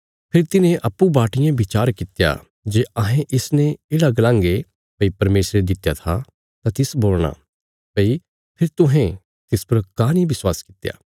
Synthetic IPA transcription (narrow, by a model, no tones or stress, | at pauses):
pʰɪɾt̪ɪnẽʔɐpːubaːʈɪjãbɪt͡ʃaːɾkɪt̪ja̰ | d͡ʒeːɐɦẽʔɪsnẽeːɽaɡɐlãːŋɡe | pɐipɐɾmeːsɾed̪ɪt̪ːjat̪ʰa | t̪at̪ɪsboːlɽ̃a̰ | pɐi | pʰɪɾt̪ʊɦɛ̃ | t̪ɪspɐɾkaːnibɪswaːskɪ̥t̪ja̰ː